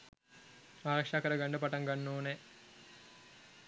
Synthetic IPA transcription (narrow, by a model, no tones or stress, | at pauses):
aːɾɐkʂakəɾəɡaɳɖəpaʈaŋɡanːoːne